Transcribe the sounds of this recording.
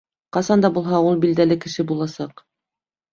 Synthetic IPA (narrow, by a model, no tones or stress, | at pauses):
qɑsɑnd̪ɑbulˠɦɑulˠbild̪ælɘkɘ̆ʃɘbulˠɑsɑq